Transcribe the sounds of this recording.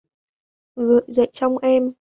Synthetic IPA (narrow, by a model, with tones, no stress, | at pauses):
ɣɨ̰˧˨jzə̰˧˨jt͡ɕɔ˧wŋ͡mʔɛ˧m